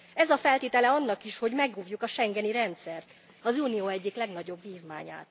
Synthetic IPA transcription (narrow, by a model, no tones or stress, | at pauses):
ɛzɒfɛlt̪eːt̪ɛlɛɒnːɒkiʃho̞ɟmɛɡuːvjukɒʃɛŋɡɛniɾɛnt̪sɛrt̪ | ɒzuːnijoːɛɟːiklɛɡnɒɟo̞bviːvma̰ːɲa̰ːt̪